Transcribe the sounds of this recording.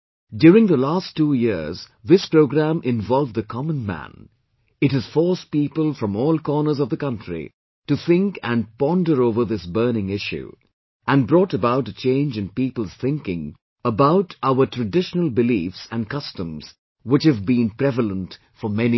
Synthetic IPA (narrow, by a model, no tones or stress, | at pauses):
djʊɾɪ̃ŋðəlæstːuːjɪɹz | ðɪspɹoʊɡɹæ̃mʔɪ̃ɱvɔlˠvðɨkʰɑmə̃nmæ̰̃n | ɨtɨz̥fɔɹs̚pipəlˠfɹʌ̃mɔːlˠkɔɹnə˞zʌvðəkʌ̃ntɹ̥ḭ | tɨθɪ̃ŋkɨ̃npɑ̃ndə˞oʊvə˞ðɪsbɜ˞nɪ̃ŋɪʃʉ̰ | ʔæ̃nbɹɔːɾəbaʊtɨt͡ʃẽɪ̃nd͡ʒɨ̃npiːpəl̩ˠz̥θɪ̃ŋkɪ̃ŋ | əbaʊtaʊə˞tʰɹ̥ɨdɪʃnəl̩ˠbɨliːfsæ̃nkʌstə̃mz̥ | wɪt͡ʃhɨvbĩnpɹɛvələ̃nt | fə˞mɛni